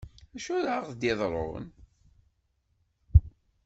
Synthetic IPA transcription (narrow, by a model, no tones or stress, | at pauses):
æʃuɾaʁθd̪jeðˤɾˤo̰ə̰n